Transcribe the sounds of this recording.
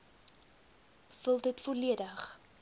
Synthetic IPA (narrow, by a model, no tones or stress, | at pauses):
fəlˠdətfoliədəχ